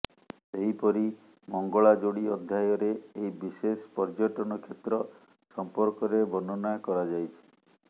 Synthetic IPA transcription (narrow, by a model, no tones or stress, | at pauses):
seɦipɔɾi | mɔŋɡɔɭad͡ʒoɽiɔd̪ʱːjajɔɾeːjbisespɔɾd͡ʒɔʈɔñɔkʰet̪ɾɔ | sɔmpɔɾkɔɾebɔnɔnɔjɔkɔɾad͡ʒajt͡ʃʰi̥